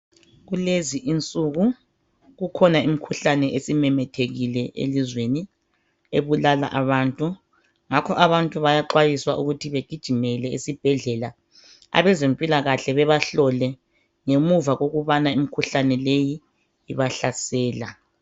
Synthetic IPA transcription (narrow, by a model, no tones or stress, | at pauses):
ɣuleziʔint͡sʼuɣu | ɣukʰɔnaimikʰuɬanɛʔesimɛmɛtʰeɣilɛʔḛlizweni | eβulala̰ʔaβaːntʼu | ŋakʰɔʔaβantʼuβajaǃwajiswaʔuɣutʰiβeɡ̥ʱid̥ʒ̥ʱimɛlɛisib̥ʱɛɮɛla | a̰βɛzempʼilaɣaɬɛβɛβaɬɔlɛ | ŋemuvaɣoɣuβanaimikʰuɬanɛleji | iβaɬasɛːla̰